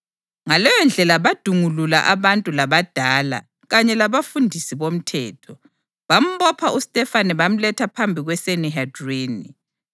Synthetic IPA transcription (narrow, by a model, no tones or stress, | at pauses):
ŋalɔjɔnd͡ɮʱɛlaβad̥ʱuŋulula̰ʔaβantʼulaβad̥ʱaːla̰ | ɣaɲɛlaβafundʱisiβom̩tʰɛ̰ːtʰɔ | βam̩βɔpʰaʔustʼɛfaniβam̩lɛtʰapʰambʱiɣwɛseniɦadreːni